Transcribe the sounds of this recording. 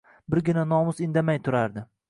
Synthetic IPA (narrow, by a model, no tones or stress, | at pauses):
bɪɾɡʲɪnanɒmʊsɪnd̪amajt̪ʰʊɾaɾd̪ɪ